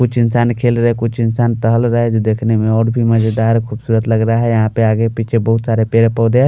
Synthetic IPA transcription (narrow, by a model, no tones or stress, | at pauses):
kut͡ʃʰɪnsankʰelɾəɦɛkut͡ʃʰɪnsaːnt̪əɦəlɾəɦɛd͡ʒod̪ekʰnemẽɔːɾbʱiməd͡ʒəd̪aɾkʰubsuːɾət̪ləɡɾaɦɛjəɦãpeaːɡepit͡ʃʰebəɦut̪saɾepeɾepəwd̪ɛ